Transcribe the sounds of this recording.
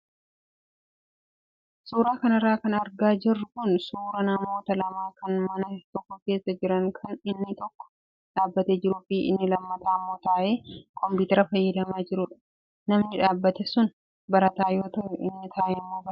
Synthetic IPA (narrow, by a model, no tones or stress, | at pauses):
suːɾaːkɐnɪrːaːkɐnɐɾɡaːd͡ʒɪrːʊkʊnsuːɾɐnɐmo̞ːt̪ɐlɐmaːkɐnmɐnɐt̪ɔkːɔke̞ːsːɐd͡ʒɪɾɐŋkʰɐnɪnːɪt̪ɔkːɔ̥ | ᶑaːbːɐt̪eːd͡ʒɪɾʊfɪʔɪ̰nːɪlɐmːɐt̪aːmːo̞ːt̪aːʔe̞ːkɔmpuːt̪ɛɾɐfɐjːɐd̪ɐmaːd͡ʒɪɾʊᶑɐ̥ | nɐmnɪᶑaːbːɐt̪ɛsʊn | bɐɾɐt̪aːjo̞ːt̪ɐʔɛʔɪnːɪt̪ʰaːʔɛmːoːbɐɾ